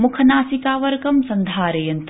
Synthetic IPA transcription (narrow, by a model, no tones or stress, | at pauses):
mukʰɐnaːsikaːʋɐɾɡɐmsɐ̃nd̪ʱaːɾejɐnt̪